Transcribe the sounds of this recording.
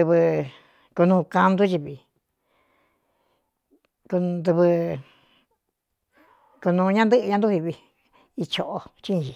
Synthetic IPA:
ɨ˧βɨ˧ | ku˧nũː˧ka˧nd̪u˦t͡ʃi˧βi˧ | ku˧d̪u˧βɨ˧ | ku˧nũː˧ɲã˦nd̪ɨ˦ʔɨ˧ɲã˧nd̪u˦hi˧βi˧ | i˧t͡ʃo˧ʔo˧t͡ʃi˦˧˨t͡ʃi˧

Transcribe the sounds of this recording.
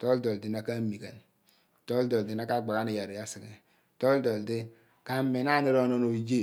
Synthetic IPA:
to˦ldo˨ldi˦na˨ka˦mi˨ka˨n˨ | to˦ldo˨ldi˦na˦ka˦˨ɡ͡ba˨ka˦ni˨ja˨ɾe˨ja˦si˨ɡe˨ | to˦ldo˨ldi˦ | ka˦me˨na˦ne˦ɾo˦no˦no˨i˨d͡ʒe˦˨

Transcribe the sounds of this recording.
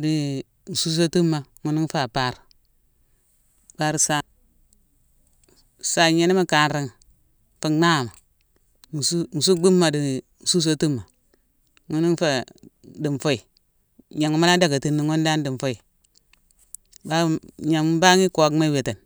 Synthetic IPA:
di˨ | n̩˨su˦s̬o˦tu˦mːa˨ŋu˦ni˦ŋ˦fa˨pa˦ɾ | pa˦ɾsa˦˨ | sa˨ɲe˦ni˦ma˦ka˨˦nɾi˦ŋ˨ | fa˨na˦˨ma˨ | n˨su˦n̩˨su˦bi˦mːa˨di˨ | n̩˨su˦s̬o˦tu˦mːa˨ | ŋu˦ni˦ŋ˦fa˨di˨mfo˦i˨ | ɲa˨ŋ˦ma˦a˦da˨ɡa˨ti˨nːi˨ŋo˦n˦da˦ndi˨m˨fo˦i˨ | ba˦ɲa˨m˦ba˦ŋi˦ko˨˦kma˦i˦we˨te˨n

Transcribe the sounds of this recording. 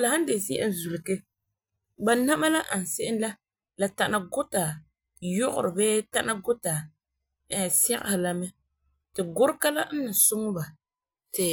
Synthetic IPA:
la˨ha˦n˦de˨zi˦ʔa̰˦n˦zu˨lɪ˨ke˦ | ba˨na˦ma˦la˦ʔa˨n̩˨sɪ˦ʔɪ˦la˦ | la˨ta˨na˨ɡʊ˦ta˨ | jʊ˦ɣʊ̰˨ɾɨ˨bɛː˦ta˦na˦ɡʊ˦ta˨ | ɛ˨sɛ˦ɣa̰˦ha˨la˦mɛ˦ | tɨ˨ɡʊ˦ɾɪ˦ka˦la˦n̩˦nɨ˨sʊ˦ŋʊ˦ba˨ | tɪ˨

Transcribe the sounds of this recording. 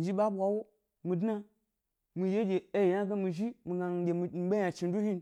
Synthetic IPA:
n˨d͡ʒi˦ɓa˦ɓʷa˨wo˦ | mi˨dna˦ | mi˨je˦d͡ʒʲe˨e˦je˨ja˦ɡa˦mi˨ʒi˦mi˨ɡa˨ɡʲe˨mi˨˦ɓe˦jã˨t͡ʃi˨n˦du˦hi˦n

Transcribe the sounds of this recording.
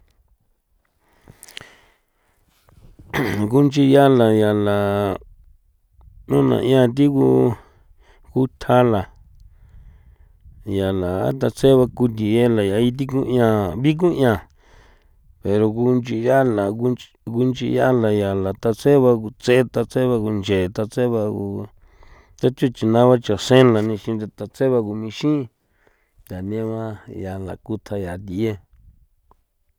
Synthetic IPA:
ku˦nt͡ʃi˧ja˦la˨ja˨la˨ | nũ˦nã̰˨ʔĩ˧˦ã˧t̪̬i˦ku˧ | ku˧˦t̪ʰa˦la˨ | ja˨la˨a̰˦t̪̬a˧t͡se˦βa˧ku˧t̪̬i˨je˦la˨ja˨i˧t̪̬i˦kũ˦ĩ˧ã˧βi˦k̬ũ˦j̃ã˧˨ | pe˨ɾo˧ku˧nd͡ʒi˧ja˦la˨u˧ | ku˧nt͡ʃḭ˧ja˦la˨ja˨la˨t̪a˧t͡se˦βa˧ku˧t͡se˦t̪a˧t͡se˦βa˧ku˧nd͡ʒe˨t̪a˧t͡se˦βa˧ku˧ | t̪a˦t͡ʃo˦t͡ʃi˧nã˧˦βa˦t͡ʃa˨sẽ˦la˨nĩ˧ʃĩ˧d̪a˧t̪a˧t͡se˦βa˧ku˧mĩ˧ʃĩ˦ | t̪a˨nĩ˧˦a˦βã˦ja˨la̰˨ku˧t̪ʰa˧ja˨t̪i˨e˦

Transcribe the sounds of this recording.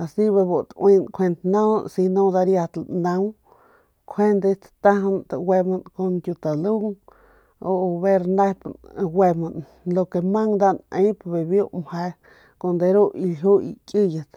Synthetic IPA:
a˨si˦βe˧bo˨t̪ʔwi˧nkʷʰe˧nt̪nã˦˧si˧nõ˧d̪a˧ɾja˧t̪lnã˧w | kʰe˦nd̪e˧t̪t̪a˦ɦnt̪a˧we˧ma˧nko˧nt̪ʲju˧t̪a˨lu˦ŋ | o˧βe˦ɾna˦pn˧we˧ma˧n | lo˧ke˧mã˦ŋd̪a˦nə̃˧˦jpbe˨bjo˦ʔmhe˧ | ko˧nd̪e˧ɾo˦i˧lɦu˦ḭ˧kʲi˦ja˨t̪

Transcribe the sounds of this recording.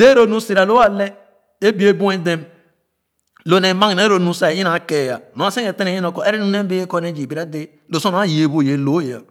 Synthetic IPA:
de˦ɾo˦nu˦si˨ɾa˨lo˦a˦le˦ | e˦bi˦e˦˨bu˦e˦de˦m | lo˨˦ne˨ma˦˨ne˨˦ɾo˨nu˨sa˨ji˦na˨˦ke˨ja˨no˨a˦se˦e˨te˦e˨˦i˦no˨kɔ˨ʔe˦ɾi˦nu˦ne˦be˦e˦ko˦ne˦d͡ʒi˨bi˨ɾa˦de˦ | lo˨so˦n˨˦a˦˨je˨bo˦˨je˨lo˨˦ja̰˨

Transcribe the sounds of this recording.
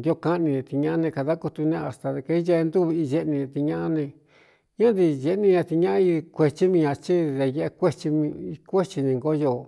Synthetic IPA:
nd̪i˧o˧ka˦ʔnĩ˧nẽ˧t̪i˧ɲã˦ʔnẽ˧ka˧ða˦ku˧t̪u˧nẽ˧a˨st̪a˧ðe˧ke˧i˦je˧nd̪u˦βi˧i˧ʒe˧ʔnĩ˧ẽ˧t̪i˧ɲã˦ʔa˦nẽ˧ | ɲã˦d̪i˧ʒe˧nĩ˧ɲã˧t̪i˧ɲã˦ʔi˧kʷe˧t͡ʃi˦mĩ˧ɲã˧t͡ʃi˦ðe˧je˧e˧kʷe˦t͡ʃi˧mĩ˧kʷe˦t͡ʃi˧nẽ˧ŋɡo˦jo˧˨

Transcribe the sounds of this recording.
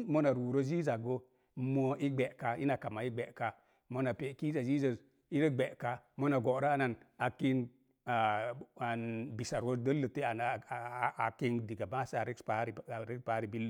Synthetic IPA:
mo˦na˨ɾwu˨ɾo˦zi˦za˨ɡo˦ | mo˦i˦ɡ͡be˨ka˦i˦na˨ka˨ma˨i˦ɡ͡be˨ʔka˦ | mo˦na˨pe˨ki˦za˨zi˦zə˨ | i˦ɾə˦ɡ͡be˨ʔka˦mo˦na˨ɡo˨˦ɾa˦a˦na˨na˨ki˦n | a˨a˨nbi˨sa˨ɾwo˦də˦lə˨te˦a˨n˨˦a˨ki˦ŋdi˨ɡa˨ba˦˨sa˨ɾi˦pa˦ɾi˨ɾi˦pa˦ɾi˨bi˦l

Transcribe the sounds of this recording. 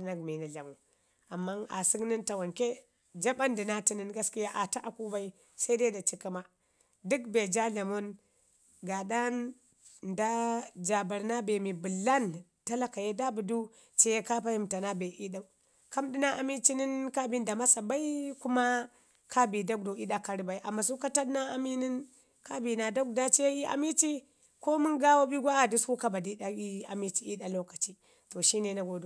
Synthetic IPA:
na˨ɡ̚mi˨ni˨ɮa˨mu˨ | a˨mːa˦na̰˨si˦kni˦nta˨wa˨nke˦ | d͡ʒa˦ba˦ndi˨na˦ti˦ni˦nɡa˦ski˦ja˦ʔa˨ta˦ʔa˨ku˦ba˦i˦ | sa˦i˦de˦da˨t͡ʃi˦ka˦ma˦ | di˦kbe˨d͡ʒa˦ɮa˨mo˦n | ɡa˨da˦n | da˦d͡ʒa˨ba˨ɾna˦be˨mi˨bu˨lːa˦n | ta˦la˦ka˨je˦da˦bu˨du˦ | t͡ʃe˦je˦ka˦pa˦hi˨mta˨na˦be˨ʔi˦ɗa˦˨u˦ | ka˦mdi˦na˦ʔa˨mi˦t͡ʃi˦ni˦nka˦bi˦n˦da˨ma˦sa˨ba˦i˦ku˦ma˦ | kʰa˦bi˨da˦k̚do˨i˦ɗa˦ka˨ɾi˦ba˨i˦ʔa˨mːa˨su˦ka˦ta˦dna˦a˨mi˦ni˦n | ka˦bi˨na˨do˦k̚da˦t͡ʃe˦i˦ʔa̰˨mi˦t͡ʃi˦ | ko˦mu˦ŋɡa˦wo˦bi˦ɡʷa˦a˨du˦sku˦ka˦ba˨di˦ɗa˦i˦a˨mi˦t͡ʃi˦i˦ɗa˨lo˦ka˨t͡ʃi˦ | to˨ʃi˦ne˨na˦ɡo˨du˨

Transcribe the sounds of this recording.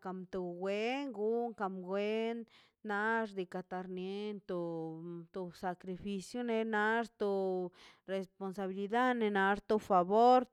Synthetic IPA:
ka˨mt̪o˧˨ɡwe˦ŋɡu˦ŋka˧mɡwe˦nː | a˧˦ʐd̪i˨ka˧t̪a˧ɾnje˧nt̪o˧t̪o˧sa˨kɾi˧fi˧sjo˦ne˧na˦ʐt̪o˧ | ɾe˧spo˧nsa˧βi˧li˧d̪a˦dne˧na˧ʐt̪o˧fa˨βo˦ɾ

